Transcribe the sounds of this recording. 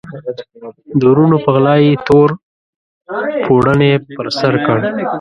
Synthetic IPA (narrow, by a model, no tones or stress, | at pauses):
d̪oɾunopəɣlɑjet̪oɾ | pʰoɽənepəɾsaɾkəɽ